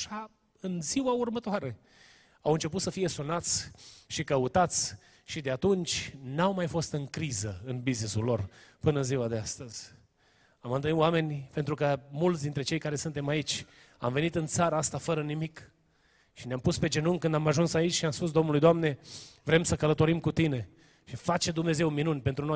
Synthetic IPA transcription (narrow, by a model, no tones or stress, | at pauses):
ʃa | ɨnziwaurmət̪oaɾe̞ | awɨnt͡ʃe̞put̪səfije̞sunat̪sʲʃikəut̪at̪sʲ | ʃid̪eat̪unt͡ʃʲnawmajfo̞st̪ɨŋkɾizəɨnbiznisulːo̞rpɨnəɨziwad̪east̪əz̥ʲ | amɨnt̪ɨniwame̞nʲpe̞nt̪ɾukəmult̪s̬ʲd̪int̪ɾe̞t͡ʃe̞jkaɾe̞sɨnt̪e̞mait͡ʃʲ | a̰mve̞nit̪ɨnt̪saɾəaast̪afəɾənimik | ʃineampuspe̞d͡ʒe̞nuŋkɨnd̪amaʒunsait͡ʃʲʃiamspus̬d̪o̞mnulujd̪oamne̞vɾe̞msəkələt̪o̞ɾimkut̪ine̞ | ʃifat͡ʃed̪umne̞ze̞wminunʲpe̞nt̪ɾunoj